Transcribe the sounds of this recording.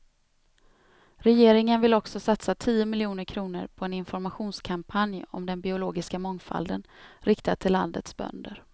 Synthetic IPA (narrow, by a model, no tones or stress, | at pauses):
ɾɛjeːɾɪŋənvɪlɔksɔsat̪sat̪ʰiːʊmɪljuːnəɾkʰɾuːnə̰ɾpʰɔɛnɪnfɔɾmaɧuːnskʰampʰanjɔ̰md̪ɛnbɪʊloːɡɪskamɔŋfa̰ld̪ə̰nɾɪkt̪at̪ʰɪlːa̰nd̪ət̪sbœ̰nd̪əɾ